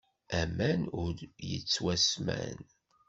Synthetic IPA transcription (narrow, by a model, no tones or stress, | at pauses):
æmænʊɾjət͡sːwæsmæ̰n